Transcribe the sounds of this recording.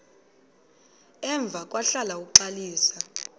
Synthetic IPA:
ɛɱb̪vʱak̬ʼwaɬalauk̬uǃaliːsa

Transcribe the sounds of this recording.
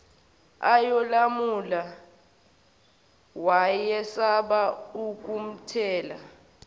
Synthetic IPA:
ajɔlamula | wajɛsaɓauk̬ʼum̩tʰɛːla

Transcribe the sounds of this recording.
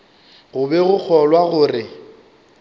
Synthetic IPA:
ɣʊbɛɣʊk͡xʰɔlwaɣʊrɪ

